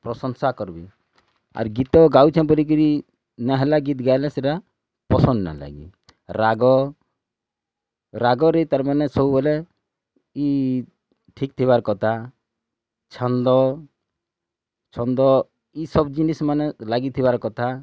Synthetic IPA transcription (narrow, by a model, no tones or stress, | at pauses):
pɾɔsɔnsakɔɾbḭ | a̰ɾɡit̪ɔɡawt͡ʃʰɛ̃bɔɾik̬ɔɾi | naɦɛlaɡit̪ɡajlɛseʈa | pɔsɔndna̰la̰ɡḭ | ɾaɡɔ | ɾaɡɔɾet̪aɾmanɛsɔbubɔlɛ | i | ʈʰikt̪ʰiβaɾkɔt̪ʰa | t͡ʃʰɔnd̪ɔ | t͡ʃʰɔnd̪ɔ | isɔbd͡ʒinismanɛlaɡit̪ʰibaɾkɔt̪ʰa